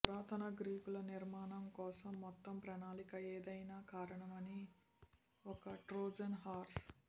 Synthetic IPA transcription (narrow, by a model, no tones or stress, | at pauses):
uɾaːt̪ɐnɐɡɾiːpulɐniɾmaːnɐmkɔːsɐmːɔt̪ːɐmpɾɐnaːlikɐeːd̪ɐjnaːkaːɾɐɳɐmɐni | ɔkɐʈɾoːd͡ʒɐnɦaːɾs